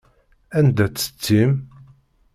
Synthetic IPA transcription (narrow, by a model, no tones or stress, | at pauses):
ænd̪æt͡sːə̥t͡sːim